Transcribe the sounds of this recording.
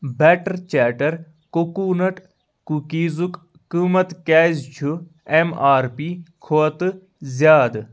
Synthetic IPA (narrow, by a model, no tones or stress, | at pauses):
bɛːʈɐɾt͡ʃaːʈɐɾ | kokuːnɐʈ | kukiːzukː | umɐt̪kaːzt͡ʃʰu | emaːɾpiːkʰoɐt̪ɨ | zʲjaːd̪